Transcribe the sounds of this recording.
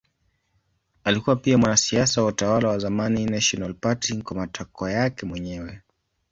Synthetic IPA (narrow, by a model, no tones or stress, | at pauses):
alikuwapiamwanasiasawautawalawazamaninaʃɔnalpatiŋkwamatakɔjakɛmwɛɲɛwɛ